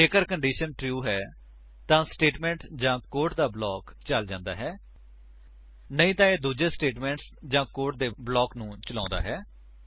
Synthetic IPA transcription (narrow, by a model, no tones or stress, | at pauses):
eːkəɾkəɳɖiːʃənʈɾjuːɦɛː | t̪ãːsʈeːʈmɛ̃ːɳʈd͡ʒãːkoːɾʈd̪aːblɔːkt͡ʃəld͡ʒãːnd̪a̰ːɦɛː | nəĩːt̪ãːeːd̪uːd͡ʒeːsʈeːʈmɛ̃ːɳʈs | d͡ʒãːkoːʈd̪eːblɔːknũːt͡ʃəlã̰ːnd̪a̰ːɦɛː